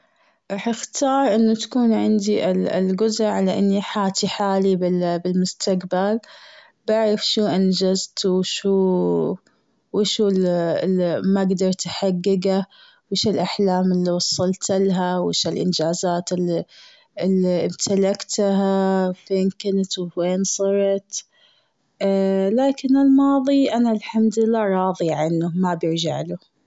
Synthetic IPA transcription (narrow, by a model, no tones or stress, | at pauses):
ɾɑħɪxt̪ɑːɾˤʔɪnːat̪ḁkuːnʕɪnd̪iʔɪ̰lɡʊzaʕalaʔɪnːiħaːt̪iħaːlibɪbɪlmʊst̪aqbal | baʕɾɪfʃuːʔand͡ʒazt̪wʃuː | wɪʃuːl | maɡd̪ɑɾˤt̪ħaɡːɪɡa | wɪʃɪlʔaħlaːmɪlːiwɑsˤːɑlt̪ɪlɦawɪʃɪlʔɪ̰nd͡ʒaːzaːt̪ɪli | ɪlːiʔɪmt̪ʰalakt̪ɦafeːnkɪnt̪wweːnsˤɑɾˤɑt̪ | laːkɪnɪlmɑːðˤiʔanalħamd̪lɪlːaːɾˤɑːðˤiʕanːʊmabjɪɾd͡ʒa̰ʕlu